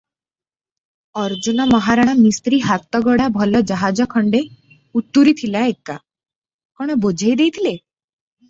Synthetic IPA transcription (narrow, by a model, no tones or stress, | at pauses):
ɔɾd͡ʒunɔmɔɦaɾaɽ̃amist̪ɾiɦat̪ɔɡɔɽabʱɔlɔd͡ʒaɦad͡ʒɔkʰɔɳɖe | ut̪ːuɾit̪ʰilaeka | kɔɽ̃ɔbod͡ʒʱajd̪ejt̪ʰile